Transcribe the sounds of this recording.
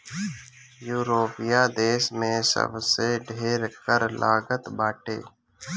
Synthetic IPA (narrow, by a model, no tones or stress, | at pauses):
juːɾoːpɪjaːd̪eːsmẽːsə̰bseɖʱeːɾkəɾlʔaːɡət̪baːʈḛː